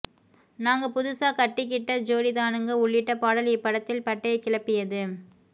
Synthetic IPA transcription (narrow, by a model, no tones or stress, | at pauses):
naːŋɡɐpʊðʊsaːkɐʈːɪkːɪʈːɐd͡ʒoːɽɪðaːnɯŋɡɐʊɭːɪʈːɐpaːɽɐljɐpːɐɽɐt̪ːɪlpɐʈːɐɐkːɪɭɐpːɪjɐðɯ